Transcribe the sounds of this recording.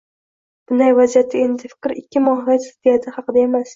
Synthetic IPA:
b̥ʊnd̪ajvazijat̪ʰːɪe̞nd̪ɪfɪ̥kʲɾɪkʲʰːɪmɒhjasɪzd̪ejad̪ɪhɑqɨd̪ae̞mas

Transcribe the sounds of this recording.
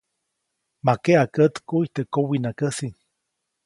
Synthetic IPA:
makeakət̪kuiht̪ekowinakəsiŋ

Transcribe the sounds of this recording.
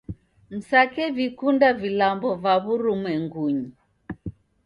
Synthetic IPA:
m̩sakɛvikundavilambɔvaβuɾumɛŋɡuɲi

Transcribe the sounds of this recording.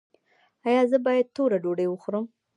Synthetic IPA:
ɑjɑzəbɑjad̪̚t̪oɾaɖoɖəwəxɾəm

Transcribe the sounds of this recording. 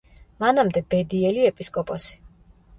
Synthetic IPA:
manamd̪ɛbɛd̪iɛliɛpʼiskʼɔpʼɔsi̥

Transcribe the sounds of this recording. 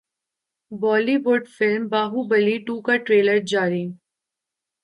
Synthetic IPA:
bɔːlibʊːɖfɪlmbaːɦubəliʈuːkaʈɾeːləɾd͡ʒaːɾi

